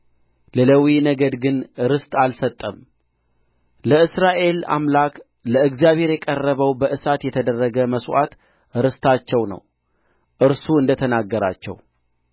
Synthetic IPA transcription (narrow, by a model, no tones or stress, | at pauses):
lələwinəɡəd̪ɡɨnɾɨst̪ʼalsət̪ʼːəm | ləɨsɾaʔe̞la̰mlak | ləɨɡzijaβhe̞ɾjɛkʼərːəβəwbəʔɨsat̪jɛt̪ʰəd̪ərːəɡəməsʔa̰t̪ | ɾɨst̪ʰat͡ʃːɛwnə̰w | ʔɨɾsuɨnd̪ət̪ʰənaɡːəɾa̰t͡ʃːɛ̰w